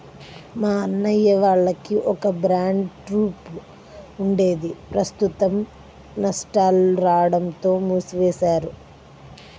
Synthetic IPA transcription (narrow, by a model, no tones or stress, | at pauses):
maːɐnːɐjːɐʋaːɭːɐkiʔɔkɐbɾaːɳɖʈɾuːp | uɳɖe̞ːd̪ipɾɐst̪ut̪ɐm | nɐsʈaːluɾaːɽɐmt̪o̞ːmuːsʋeːsaːɾu